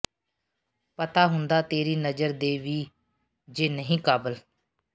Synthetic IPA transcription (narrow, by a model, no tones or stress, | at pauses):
pət̪aːɦʊnd̪aːt̪eːɾiːnəd͡ʒəɾd̪eːʋiː | d͡ʒeːnəɦĩːkaːbəl